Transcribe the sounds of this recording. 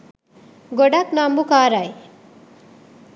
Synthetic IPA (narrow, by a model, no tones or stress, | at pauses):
ɡɔɽaknambukaːɾaj